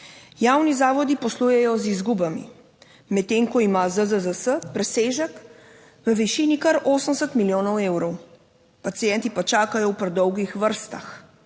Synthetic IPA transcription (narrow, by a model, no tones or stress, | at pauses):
jawnizaːʋɔd̪ipɔslujɛjɔzizɡubamḭ | mɛt̪ːeːŋkɔimazəzəzəsəpɾɛseːʒək | ʋəʋiʃinikɐɾʔoːsəmsət̪miljoːnɔweːwɾɔw | pat̪sijɛnt̪ipat͡ʃaːkajɔwpɾɛd̪ɔwɡixʋəɾst̪a̰x